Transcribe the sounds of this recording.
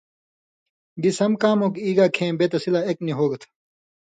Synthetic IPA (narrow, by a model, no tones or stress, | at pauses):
d̪isɐmkaːmoːkiːɡaːkʰẽːbet̪ɐsilaekniɦoːɡt̪ʰ